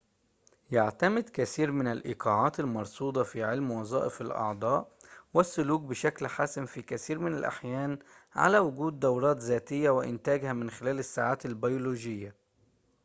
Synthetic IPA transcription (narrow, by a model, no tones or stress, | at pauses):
jaʕt̪amɪd̪kæθiːɾmɪnalʔḭːqʰɑːʕɑːt̪almɑɾˤsˤuːd̪ˤɑfiʕɪlmwɑzˤɑ̰ːʔɪfɪlʔɑ̰ʕd̪ˤɑːʔwɪsːʊluːk̚bɪʃæklħaːsɪmfikæθiːɾmɪna̰lʔa̰ħjæːn | ʕa̰læwʊɡuːd̪ːɑwɾˤɑːt̪zæːt̪ɪjːæwɪʔɪ̰nt̪æːɡhæmɪnxɪlæːlɪsːaːʕaːt̪ɪlbajoluːʒɪjːa